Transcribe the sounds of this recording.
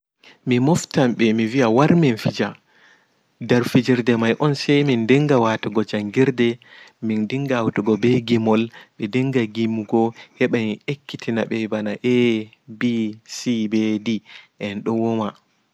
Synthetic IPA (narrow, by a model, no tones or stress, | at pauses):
mimɔftamɓɛmiviawaɾmɛnfid͡ʒa | daɾfid͡ʒiɾdɛmajʔɔnsɛjmindɛŋɡawatuɡɔd͡ʒaŋɡiɾdɛmindiŋɡaːwtuɡɔbɛɡimɔlɓɛdɛŋɡaɡimːuɡɔhɛɓamiekːitʰina̰ɓɛbanaʔɛ | bisibɛdiʔɛnɗɔwɔma